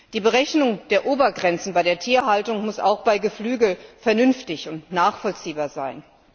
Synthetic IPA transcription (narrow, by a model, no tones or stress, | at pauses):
d̥iːbəʁɛçnʊŋd̥eːɐʔoːbɐɡʁɛnt͡sn̩baɪɾeːɐtʰiːɐɦaltʊŋmʊsa̰ʊxb̥aɪɡəflyːɡl̩fɛɐnʏnftɪçʊntnaːχfɔlt͡siːbaːɐzaɪn